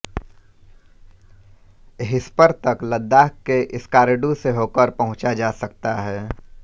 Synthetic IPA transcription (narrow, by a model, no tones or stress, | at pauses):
ɦɪspəɾt̪ɐkləd̪ːaːkkːeʔɪskaːɾeɖuseɦoːkəɾpɐɦʊ̃t͡ʃad͡ʒaːsɐk̚t̪aɦɛː